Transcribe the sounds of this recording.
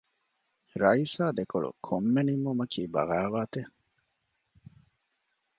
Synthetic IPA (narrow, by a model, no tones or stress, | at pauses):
ɾɐisaːd̪ekoɭṵkʰomːenimːumɐkʰiːbɐ̰ɣaːʋaːt̪e